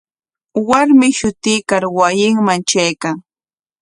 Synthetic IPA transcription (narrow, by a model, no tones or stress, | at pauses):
waɾmɪʃʊt̪ɪkaɾwajɪŋmant͡ʃajkaŋ